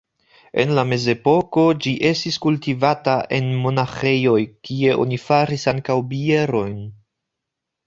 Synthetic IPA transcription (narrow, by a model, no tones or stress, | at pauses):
e̞̰nlame̞ze̞po̞ko̞d͡ʒiʔe̞stiskultivataʔe̞nmo̞naxe̞jo̞jkie̞ʔo̞̰nifaɾisaŋkawbie̞ɾo̞jn